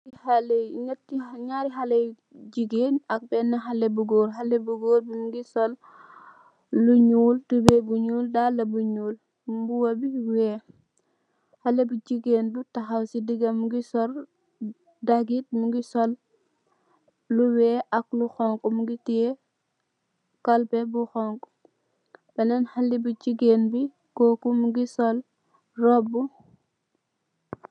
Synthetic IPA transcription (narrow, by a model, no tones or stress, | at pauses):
ihalɛjɲɛt̚ːiɲaɾiɦalɐj | ɟiɡeːnɐk̚bɛnːɐɦalɛbuɡoːɾɦalɛbuɡoːɾbimuɡisɔl | uɲuːltubɛbuɲuːldalːɐbuɲuːl | buwɐbiwɛː | hɐlɛbuɟiɡeːndutɐxɐwsidiɡɐmuɡisɔɾ | daɡit̚muɡisɔl | luwɛːʔɐkluxɔŋkumuɡiti | kɐlpɛbuxɔŋku̥ | bɛnɛnhɐlibud͡ʒiɡeːnbi | kɔːkumuɡisɔl | rɔbːu